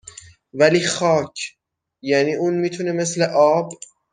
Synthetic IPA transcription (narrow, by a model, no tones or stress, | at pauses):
væliːxɒːcʰ | jæːniːʔuːnmiːt̪ʰuneme̞sleʔɒːb